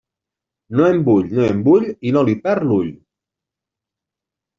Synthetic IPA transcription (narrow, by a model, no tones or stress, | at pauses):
noembuʎnoembuʎinolipɛɾluʎ